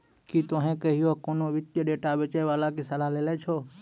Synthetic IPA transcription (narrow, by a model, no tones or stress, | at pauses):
kit̪oɦẽkəɦɪjokonoʋɪt̪jəɖeːʈaʋət͡ʃəjʋaːlakisəlalelet͡ʃʰoː